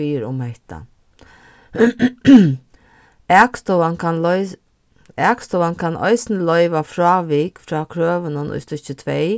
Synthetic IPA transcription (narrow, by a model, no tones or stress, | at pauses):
iːɾʊ̰mhɛht̪a̰ | ɛːkst̪ɔwankanlɔ | ɛːkst̪ɔwankʰanʔɔ̰ɪsnəlɔʏʋafɾɑːʋiːkfɾɔːkʰɾøːʋənʊnʔʊ̰jst̪ʊht͡ʃɪt̪ʰʋɛj